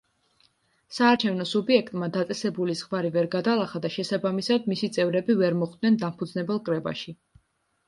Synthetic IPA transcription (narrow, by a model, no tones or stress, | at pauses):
saːɾt͡ʃʰɛvnɔsubiɛkʰt̪ʼmad̪at̪sʼɛsɛbulizʁvaɾivɛɾɡad̪alˠaχad̪aʃɛsabamisad̪̚misit̪sʼɛvɾɛbivɛɾmɔχd̪̚nɛnd̪ampʰud̪znɛbɛlˠkʼɾɛba̰ʃi